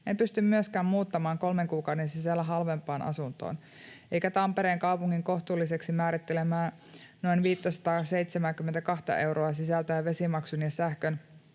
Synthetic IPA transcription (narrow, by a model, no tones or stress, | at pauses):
empyst̪ymmyøskæːmmuːt̪ːɑmɑːŋko̞lmeŋkuːkɑwde̞nsisælːæɦɑlʋempːˑɑːnʔɑ̰sunt̪o̰ːn | ʔe̞jkæt̪ɑmpe̞ɾeːŋkɑupuŋːiŋko̞ht̪uːlːiseksimæːɾit̪ːelemæːn | no̞inʋiːt̪ːæsɑ̥t̪ɑːse̞it̪semæŋkyment̪ækɑht̪ɑ̰ʔe̞uɾoɑs̬isælt̪æjɑʋe̞simɑksunjessæhkøn